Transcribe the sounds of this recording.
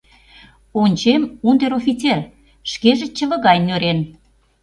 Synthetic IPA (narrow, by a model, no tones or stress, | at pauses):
onʲt͡ɕemund̪eɾofʲit͡ser | ʃkeʒĕt͡ɕə̆βə̆ɣɑjnøɾen